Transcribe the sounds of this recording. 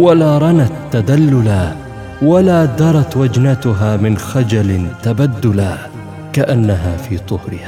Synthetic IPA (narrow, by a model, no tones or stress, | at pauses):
walaːɾˤɑnat̪ːad̪alːʊla | walaːd̪ɑɾˤɑt̪wad͡ʒnat̪ʊɦaːmɪnxad͡ʒalɪt̪abad̪ːʊla | kaʔanːaɦaːfiːd̪ˤʊhɾɪhaː